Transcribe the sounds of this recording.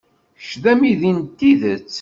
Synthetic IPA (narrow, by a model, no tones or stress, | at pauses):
ʃðæmiðint̪ːiðət͡sː